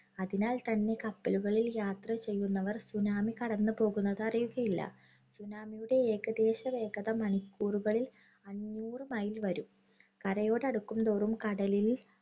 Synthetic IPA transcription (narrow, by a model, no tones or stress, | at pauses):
ɐðinaːlt̪ɐnːe̞kɐpːɐluɣɐɭiljaːt̪rɐt͡ɕe̞jːunːɐʋɐrsunaːmikɐɽɐnːɨpo̞ːɣunːɐðɐrijuɣɐjilːɐ̰ | sunaːmijuɽe̞eːɡɐd̪e̞ːɕɐʋe̞ːɡɐðɐmɐɳikːuːruɣɐɭil | ɐɲːuːrɨmaːjilʋɐɾum | kɐɾɐjo̞ːɽɐɽukːumd̪o̞ːrumkɐɽɐlil